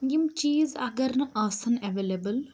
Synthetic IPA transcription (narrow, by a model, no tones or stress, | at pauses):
ɡimt͡ʃiːzɐɡɐɾnɨʔɐːsɐneʋeːlebəl